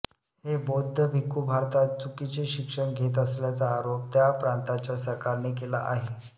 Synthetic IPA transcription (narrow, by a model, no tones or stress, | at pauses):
hebod̪ʱːəbʱikubʱaɾt̪at͡sukit͡seɕikʂəɳɡʱet̪̬əsljat͡saːɾop̚t̪japɾãnt̪at͡ɕjasəɾkaɾɳekelaʔaɦe